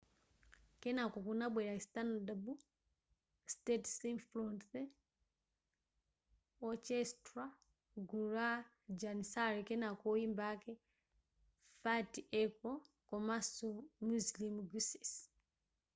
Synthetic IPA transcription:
kɛnakokunabwɛɾaistandabu | stɛtsinflɔnθɛ | ɔt͡ʃɛstɾa | ɡuɾa | d͡ʒanisaɾikɛnakoimbakɛ | fatiɛkɔ | kɔmasumuslimɡusi̥s

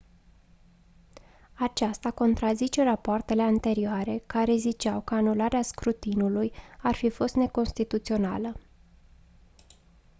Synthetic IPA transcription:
at͡ʃast̪ako̞nt̪ɾazit͡ʃe̞rapoart̪e̞le̞ant̪e̞ɾioaɾe̞kaɾe̞zit͡ʃawkəanulaɾeaskɾut̪inulujarfifo̞st̪ne̞ko̞nst̪it̪ut̪sio̞na̰lə

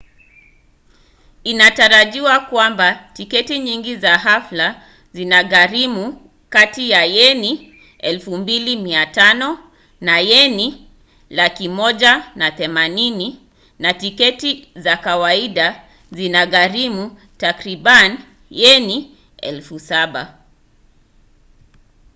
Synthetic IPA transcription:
inataɾaʄiwakwambatikɛtiɲiŋɡizaɦafla | zinaɣaɾimu | katijajɛni | ɛlfumbilimiatanɔ | najɛni | lakimɔʄanaθɛmanini | natikɛtizakawaiɗa | zinaɣaɾimu | takɾiban | jɛni | ɛ̰lfusaɓa̰

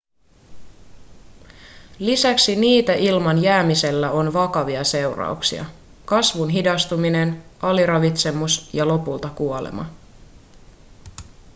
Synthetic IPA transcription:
lisæksiniːt̪æʔilmɑnjæːmise̞lːæo̞nʋɑkɑʋiɑse̞wrɑ̰uksḭɑ̰ | kɑsʋunɦidɑst̪umine̞nʔɑliɾɑʋit̪se̞musjɑlo̞pult̪ɑkuo̞lḛmʔɑ̰

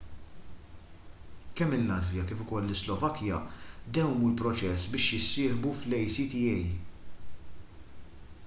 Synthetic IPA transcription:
kɛmːɪlːɐd̪vjɐkɪːfʊkɔlːɪslɔvɐkjɐ̰d̪ɛwmulpɾɔt͡ʃɛsbɪːʃjɪsːɪːħbuflɛjsit̪ɪjɛj

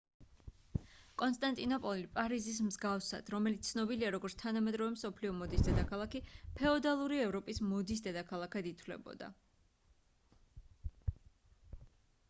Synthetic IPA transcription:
kʼɔnst̪ʼant̪ʼinɔpʼɔlipʼaɾizis̬mzɡafsa̰d̪̥ɾɔmɛlit̪sʰnɔbiliaɾɔɡɔɾt̪sʰt̪ʰanamɛd̪ɾɔvɛmsɔpʰliɔmɔd̪isd̪ɛd̪akʰalˠakipʰɛɔd̪alˠuɾiɛvɾɔpʼismɔd̪is̬d̪ɛd̪akʰalˠakʰad̪it̪ʰwlɛ̰bɔ̰d̪a̰

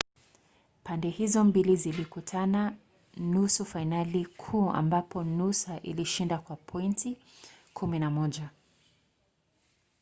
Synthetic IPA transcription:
pandɛhizɔmbilizilikutʰana | nusufainalikʰuːa̰mbapɔnusaʔḭliʃindakwapʰɔinti | kʰuminamɔʄa

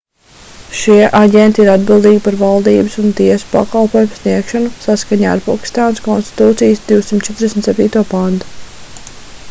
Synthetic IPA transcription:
ʃiɛʔaɟʲent̪iiɾad̪bilˠd̪iːɡʲpaɾvalˠd̪iːbɨsunt̪iɛsu̥pa̰kalˠpoɔːjumsniɛkʃanusaskaɲa̰ːaɾpokʲi̥st̪aːnskɔnst̪i̥t̪uːt̪sijsd̪iwsimt̪̚t͡ʃɛt̪ɾd̪esn̩t̪sɛpʲiːt̪uɔpand̪u̥

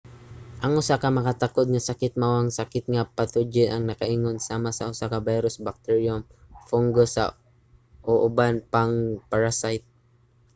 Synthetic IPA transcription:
ʔɐŋʔʊsakamɐkat̪akod̪̚ŋasakɪt̪̚mawaŋsakɪt̪̚ŋapat̪ʊd͡ʒɪnʔɐŋnɐkaʔiŋonsaːmasɐʔʊsakabajɾosbak̚t̪ɛɹjomfoŋɡosa̰ | ʔoʔʊbanpaŋpaɹasajt̪̚

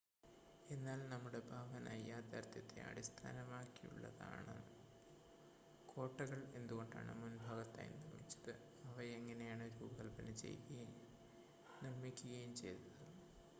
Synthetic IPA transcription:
e̞nːaːlnɐmːuɽe̞bʱaːʋɐnʔɐjːaːt̪aɾt̪jɐt̪ːḛʔɐ̰ɽist̪ʰa̰ːnɐmaːkːijṵɭːɐ̰ða̰ːɳɨ̰ | kʰo̞ːʈːɐɣɐɭe̞nd̪uɣo̞ɳɖa̰ːɳɨ̰munbʱaːɣɐt̪ːa̰ːjnirmːit͡ɕːɐ̥ðɨ | ɐʋɐeŋːɐne̞jaːɳɨɾuːbɐɣɐlpɐnɐt͡ɕe̞̰jkju | nirmikʲːuɣɐjumt͡ɕe̞jt̪unɐ

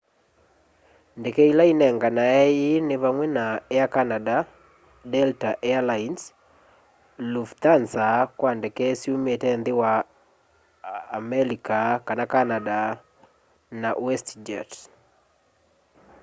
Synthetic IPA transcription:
ndɛkɛilainɛŋɡanaɛineβaŋwɛnaeakanada | dɛltaʔɛalains | luft̪ansakwandɛkɛsiumetɛnðewa | mɛɾikakanakanada | nawɛstd͡ʒa̰t

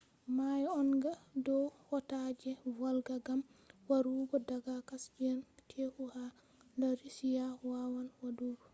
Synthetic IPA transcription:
majɔnɡadɔhɔtad͡ʒɛvalɡaɡamwaɾuɡɔdaɡakasd͡ʒɛntʰehuha | daɾisijawawanwaduːɡɔ

